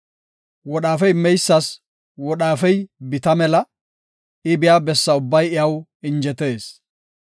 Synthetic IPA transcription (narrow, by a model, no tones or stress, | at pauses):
wɔɗaːfɛjmːɛjsːɐs | wɔɗaːfɛjbɪt̪ɐmɛlɐ | ɪbɪjaːbɛsːɐʊbːɐjɪjɐwɪnd͡ʒɛt̪e̞ːs